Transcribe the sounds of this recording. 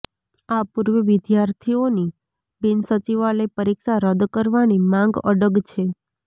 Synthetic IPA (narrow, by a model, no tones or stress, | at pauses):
apuɾʋəʋɪd̪jaɾt̪ʰioni | bɪnsət͡ʃiʋaləjpəɾikʃaɾəd̪kəɾʋanimãŋɡə̰ɖəɡt͡ʃʰe